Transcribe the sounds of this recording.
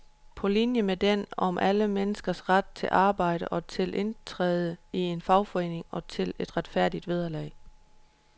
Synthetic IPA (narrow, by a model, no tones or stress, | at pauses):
pʰɒ̽linjəmed̥enɒ̽mʔæləmenəsɡ̥ɐsʁad̥̚t͡sʰe̝lʔɑ̈ːb̥ɑ̈ɪ̰ɾ̥əʔɒ̽t͡sʰe̝lʔe̝nt͡sʰʁɛ̰ːð̞ˠəie̝nfɑ̈ʊfɒe̝̰ːneŋɒ̽t͡sʰe̝le̝d̥ʁad̥fæɐ̰d̥id̥ʋeð̞ˠɐlɛ̰ɪ